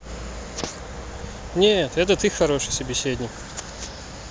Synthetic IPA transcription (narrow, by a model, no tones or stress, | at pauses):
nʲet̪ɛt̪ət̪ɨxxɐɾo̞ʂɨjsəbʲɪsʲedʲnʲɪk